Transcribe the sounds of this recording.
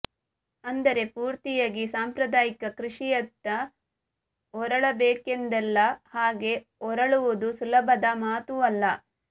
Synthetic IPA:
ɐnd̪ɐɾe̞puːɾt̪ijaːɡisaːmpɾɐd̪aːjikɐkɾiʂijɐt̪ːɐ | ɔɾɐɭɐbeːkend̪ɛlːɐhaːɡe̞ | ɔɾɐɭuʋud̪usulɐbʱɐd̪ɐmaːt̪uɐlːɐ

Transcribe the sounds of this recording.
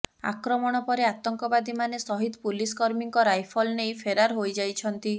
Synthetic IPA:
a̰kɾɔmɔɽ̃ɔpɔɾeat̪ɔŋkɔbad̪imanesɔɦid̪puliskɔɾmiŋkɔɾajpʰɔlnejpʰeɾaɾɦojd͡ʒajt͡ʃʰɔnt̪i

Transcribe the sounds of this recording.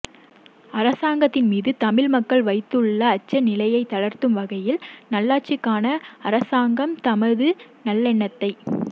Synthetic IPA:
ɐɾɐsaːŋɡɐt̪ːɪnmiːðɯt̪ɐmɪɻmɐkːɐɭʋɐɪt̪ːɯɭːɐːt͡ʃːɐnɪlɐjɐɪt̪ːɐɭɐɾt̪ɯmʋɐɣɐjɪlnɐlːaːʈ̚t͡ʃɪkːaːnɐɐɾɐsaːŋɡɐmt̪ɐmɐðɯnɐlːɛɳːɐt̪ːɐɪ

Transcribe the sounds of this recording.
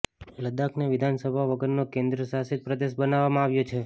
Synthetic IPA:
ləd̪akʰneʋɪd̪ʱansəbʱaʋəɡəɾnokẽnd̪ɾəsasɪt̪̚pɾəd̪eʃ̬bənaʋːamãaʋjot͡ʃʰe

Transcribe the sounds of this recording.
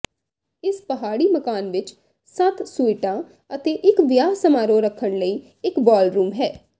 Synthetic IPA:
ɪspəɦaːɽiːməkaːnʋɪt͡ʃ | sət̪ʰsʊɪʈãː | ət̪eːʔɪkʋɪjaːsəmaːɾoːɾəkʰːəɳləiː | ɪkbɔːlɾuːmɦɛː

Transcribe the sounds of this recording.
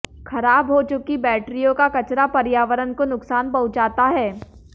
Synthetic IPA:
xʰɐɾaːbɦot͡ʃʊkibɛːʈɾijõkakɐt͡ʃɾapɐɾɪjaːʋəɾənkonʊksaːnpɐɦʊtd͡ʒaːt̪aɦɛː

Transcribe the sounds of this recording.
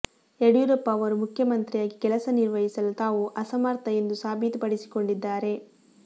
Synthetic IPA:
eɽjuɾɐpːɐːʋɐɾumukʰjɐmɐnt̪ɾijaːɡikɛlɐsɐniɾʋɐɦisɐlut̪aːʋuʔɐsɐmaːɾt̪ɐje̞nd̪usaːbʱit̪pɐɽisi̥ko̞ɳɖid̪ːaːɾe̞

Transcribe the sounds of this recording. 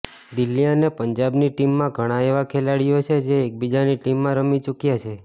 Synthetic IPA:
d̪ilːianepəɲd͡ʒabniʈimːãɡʱəɽ̃aeʋakʰelaɽijot͡ʃʰed͡ʒeːk̚bid͡ʒaniʈimːãɾəmit͡ʃukjat͡ʃʰe

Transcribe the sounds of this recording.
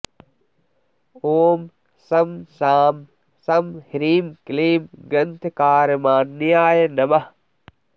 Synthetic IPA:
oːm | sɐmsaːm | sɐmhiɾiːmkliːmɡɐnt̪ʰkaːɾmãːnːijaːjɐnɐbɐ

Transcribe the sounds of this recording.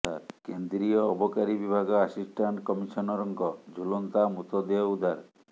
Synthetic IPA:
a̰ɾkend̪ɾiɔːbɔkaɾibibʱaɡɔasisʈʰaɳʈkɔmiʃɔnɔɾɔŋkɔd͡ʒʱulɔnt̪amut̪ɔd̪eaud̪ʱaɾ

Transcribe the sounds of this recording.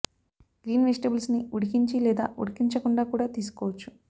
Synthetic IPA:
ɡ̥ɾiːnʋesʈebɐlsniuɽikiɲt͡ʃilɛːd̪a̰ːʔuɽikiɲt͡ʃɐkuɳɖaːkuːɽaːt̪iːsu̥kɔːʋɐt͡ʃːu̥

